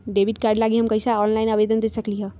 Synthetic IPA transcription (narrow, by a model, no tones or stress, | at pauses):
ɖeʋiʈkaːɾɖlaːɡiɦəmkəisaɔːnlaɪnəʋed̪ənd̪esəkliɦɛ